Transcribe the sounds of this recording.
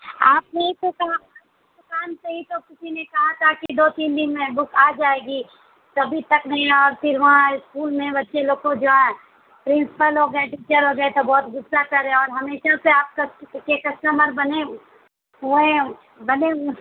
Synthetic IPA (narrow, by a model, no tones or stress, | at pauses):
aːp̚neɦĩt̪okɐɦa | d̪ʊkaːnseɦit̪okɪsinekɐɦat̪ʰakid̪oːt̪iːnd̪ɪnmẽbʊkʰaːd͡ʒaːeːɡi | sɐbʱit̪ɐknɐɦĩɔːɾpʰɪɾʋɐɦãɪskuːlmẽbɐtːʃʰeloːkõd͡ʒoːɛ̃ | pɾɪ̃nsɪ̥pəlɦoɡəeʈiːt͡ʃəɾɦoɡɐet̪obɔːt̪ɡʊsːakɐɾẽɔːɾɦɐmeːʃaseaːp̚kɐkekɐsʈəməɾbɐne | ɦuẽ | bɐne